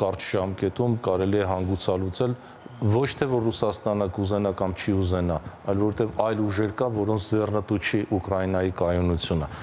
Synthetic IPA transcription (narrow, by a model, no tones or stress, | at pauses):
kɑɾt͡ʃʰʒ̥ɑmkɛt̪umkɑɾɛliɛɦɑŋɡut͡sʰɑlut͡sʰɛl | vɔt͡ʃʰt̪ʰɛvɔɾrusɑst̪ɑnəkuzɛnɑkɑmt͡ʃʰiuzɛnɑɑjlvɔɾɛt̪ɛvɑjluʒɛɾkɑvɔɾɔnt͡sʰd͡zɛrnət̪ut͡ʃʰiʔukɾɑjinɑjikɑjunut͡sʰjunə